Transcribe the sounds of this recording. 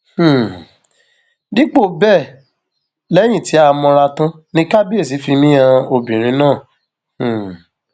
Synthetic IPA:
h̩˨ | di˦k͡po˦˨bɛ˦˨ | lɛ˦j̃ĩ˦˨ti˨˦a˧mɔ̃˧ɾa˧tã˦ | nĩ˧˦ka˦bi˦e˦˨s̬i˨˦fi˧mĩ˦ã˧o˧bĩ˨ɾ̃ĩ˧˦nãː˦˨ | h̩˨

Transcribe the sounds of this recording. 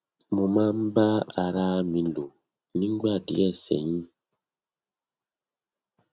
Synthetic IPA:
mɔ̃˨mã˦m̩˦ba˦a˨ɾa˦mĩ˨lo˨ | nĩ˦ŋ˦ɡ͡ba˦˨dḭ˨˦ɛ˦˨sɛ̰˨ɲĩ˦

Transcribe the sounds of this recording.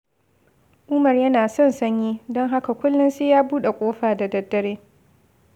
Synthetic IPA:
ʔʊ˦mɐ˨rjɐ˦naː˨sɔ˦˨nsɐ˦ɲjiː˦dɔ˦ŋɦa˦ka˨kʷʊ˦lːʊ˦nseː˦jaː˦buː˦ɗe˨kʷʼoː˦ɸaː˨da˨dɐ˦dːɐ˦ɾeː˦

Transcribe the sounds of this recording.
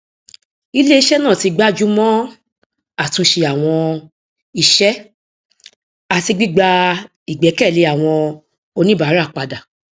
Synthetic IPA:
i˧˦le˦i˧ʃɛ˦nã˦˨ti˨˧ɡ͡ba˦d͡ʒu˦mɔ̃˦ | a˨tũ˧ʃe˧a˨w̃ɔ̃˧ | i˧ʃɛ˦ | a˨ti˧ɡ͡bi˦ɡ͡ba˧ | i˨ɡ͡bɛ˨˦kɛ˦˨le˧˦a˨w̃ɔ̃˧ | o˧nĩ˦ba˨˦ɾa˦˨k͡pa˧da˨

